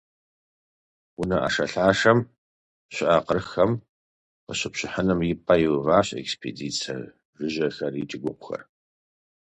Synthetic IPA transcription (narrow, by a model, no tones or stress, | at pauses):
wʊnɐʔɐ̰ʂɐɬaːʂɐm | ɕɪʔaqərxɐm | qəɕɪpɕɪħənɨmjɪpʼɐjɪwvaːɕʼḛkspʰeːdiːt͡sʰɐ̰r | ʒɪʒɐxɐrit͡ʃʼɪɡʷʊqʷʊxɐ̰r